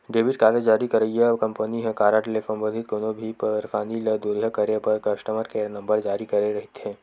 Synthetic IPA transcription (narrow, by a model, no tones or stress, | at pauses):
ɖeːbɪʈ̚kaːɾəd͡ʒaːɾikɐɾəɦiɦekɐ̃mpəniɦɛ̃kaːɾaːʈlesɐ̃mboːd̪ʱɪt̪̚koːnobʱipɐɾfaːniləd̪oːɾjakɐɾepɐɾkɐʃʈəməɾkenɐ̃mbəɾd͡ʒaːɾikɐɾeɾɐɦɪt̪ʰẽː